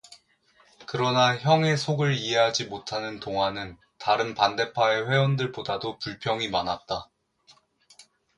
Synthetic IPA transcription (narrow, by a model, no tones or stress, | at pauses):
kɯɾʌnaçjʌŋe̞sʰoɡɯɭie̞ɦad͡ʑimotʰanɯntoŋɦanɯn | taɾɯnpande̞pʰae̞ɸwe̞wʌndɯɭpodadopuɭpʰjʌŋimanat̚t͈a